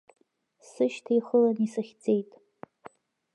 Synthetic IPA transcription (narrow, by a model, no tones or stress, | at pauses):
sɨʃtʰijχəlanisaχʲd͡ze̞jtʼ